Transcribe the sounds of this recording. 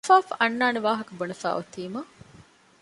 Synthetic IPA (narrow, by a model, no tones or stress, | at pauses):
faːfʔɐnːaːneʋaːɦɐkɐbonɐfæ̰ːʔot̪iːmɐ